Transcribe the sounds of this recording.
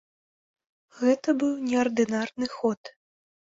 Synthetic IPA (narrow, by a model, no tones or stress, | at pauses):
ɣɛt̪ɐbɨwnʲɛɐrd̪ɨnarnɨxɔt̪